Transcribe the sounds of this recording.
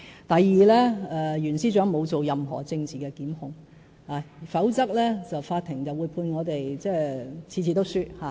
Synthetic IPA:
t̪ɐ˨jːiː˨lɛː˥ɛː˨˧jyː˨˩nsiː˥t͡ʃœː˨˥ŋmo˨˧wt͡so˨wjɐ˨mɦɔ̰ː˨˩t͡sɪ˧ŋt͡siː˨kɛː˧kiː˨˥mhʊ˧ŋ | aː˨˧fɐ˨˥wt͡sɐ˥k̚lɛː˥t͡sɐ˨wfaː˧t̪ʰɪ˨˩ŋt͡sɐ˨wuː˨˧jpʰuː˧nŋɔː˨˧t̪e˨jt͡sɛː˥˩t͡sʰiː˧˩t͡sʰiː˨t̪o˥wsyː˥t̚haː˨˧˩

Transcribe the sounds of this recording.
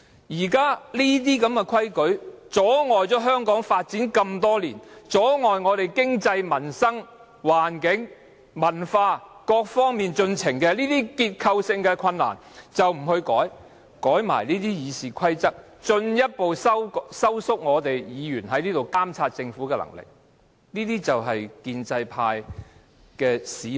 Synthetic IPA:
jiː˨˩kaː˥liː˥t̪̬iː˥kɐ˨˥mkɛ˧kʰwɐ˥jkɵ˨˥ɥt͡sɔː˨˥ŋɔː˨jt͡sɔː˨˥ɦœː˥ŋkɔː˨˥ŋfaː˧t̚t͡siː˨˥nkɐ˧mt̪ɔː˥liː˨˩nt͡sɔː˨˥ŋɔː˨˩jŋɔː˨˧t̪e˨˩jkɪ˥ŋt͡sɐ˧jmɐ˨˩nsɐ˥ŋ | waː˨˩nkɪ˨˥ŋ | mɐ˨˩nfaː˧kɔː˧k̚fɔː˥ŋmiː˨nt͡ʃɵ˧nt͡sʰɪ˨˩ŋkɛː˧liː˥t̪iː˥kiː˧t̚kʰɐ˧wsɪ˧ŋkɛː˧kʰɐ˧nːa̰ː˨˩nt͡sɐ˨wm̩˨˩hɵ˧ɥkɔː˨˥j | kɔː˨˥jma̰ː˨˩jniː˥t̪iː˥jiː˨˧siː˨˩kʰɐ˥jt͡sɐ˥k̚ | t͡ʃɵ˧njɐ˥t̚po˨wsɐ˥wsɐ˥wsʊ˥k̚ŋɔː˨˧t̪e˨jjiː˨˧jyː˨˩nɦɐ˨˥jniː˥t̪o˨wkaː˥mt͡sʰaː˧t̚t͡sɪ˧ŋfuː˨˥kɛː˧lɐ̰˨˩ŋlɪ̰˨k̚ | niː˥t̪iː˥t͡sɐ˨wɦɐ˨jkiː˧nt͡sɐ˧jpʰaː˧j | kɛː˧siː˨˥

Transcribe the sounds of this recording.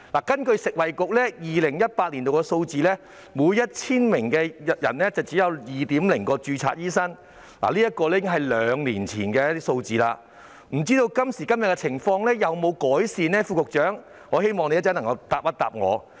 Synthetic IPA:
laː˨˩kɐ˥nkɵ˧ɥsɪ˨k̚wɐ˨jkʊ˨k̚lɛː˥jiː˨lɪ˨˩ŋjɐ˥t̚paː˧t̚liː˨˩nt̪o˨wkɛ˧so˧wt͡siː˨lɛː˥ | muː˨˧jɐ˥t̚t͡sʰiː˥nmɪ˨˩ŋkɛː˧jɐ̰˨˩nːɛː˥t͡sɐ˨wt͡siː˨˥jɐ˨˧wjiː˨t̪iː˨˥mlɪ˨˩ŋkɔː˧t͡ʃyː˧t͡sʰa̰ː˧t̚jiː˥sɐ˥ŋ | la̰ː˨˩liː˥jɐ˥t̚kɔː˧lɛː˥ɪ˥ŋɦɐ˨jlœː˨˧ŋliː˨˩nt͡sʰḭː˨˩nkɛː˧jɐ˥t̪iː˥so˧wt͡siː˨laː˧ | m̩˨˩t͡siː˥t̪o˧wkɐ˥msiː˨˩kɐ˥mjɐ˨t̚kɛ˧t͡sʰɪ˨˩ŋfɔː˧ŋlɛː˥jɐ˨wmo˨˧wkɔː˨˥jsiː˨˧nɛː˥fuː˧kʊ˨k̚t͡ʃœː˨˥ŋ | ŋɔː˨˧he˥jmɔː˨ŋne˨˧jt͡sɐː˥nɐ˨˩ŋkɐ˧wt̪aː˨p̚ːɐ˥t̪a̰ː˨p̚ŋɔ̰ː˨˧

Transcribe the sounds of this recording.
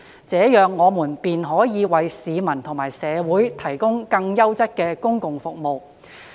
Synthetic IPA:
t͡sɛː˨˥jœː˨ŋːɔː˨˧muː˨˩npiː˨nɦɔː˨˥jiː˨˧wɐ˨jsiː˨˧mɐ˨˩nt̪ʰʊ˨˩ŋmaː˨˩jsɛː˨˧wuː˨˥jt̪ʰɐ˨˩jkʊ˥ŋkɐ˧ŋjɐ˥wt͡sɐ˥t̚kɛː˧kʊ˥ŋkʊ˨ŋfʊ˨k̚mo˨w

